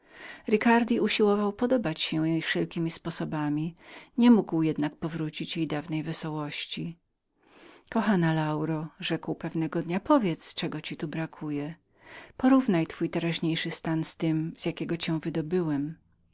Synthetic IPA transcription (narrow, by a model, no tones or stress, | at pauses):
ɾɘkaɾd̪ʲiuɕiwɔvawpɔd̪ɔbat͡ɕɕɛjɛjfʂɛlkʲimʲispɔsɔbamʲiɲɛmuɡwjɛd̪nak̚pɔvɾut͡ɕit͡ɕjejd̪avnɛjvɛsɔwɔɕt͡ɕi | kɔxanalawɾɔʐɛkwpɛvnɛɡɔd̪ɲapɔvʲjɛt̪st͡ʂɛɡɔt͡ɕit̪ubɾakʰujɛ | pɔɾuvnajt̪fujt̪ɛɾaʑɲejʂɘst̪anst̪ɘmz̥ʲjakʲɛɡɔt͡ɕɛ̃w̃vɘd̪ɔbɘwɛm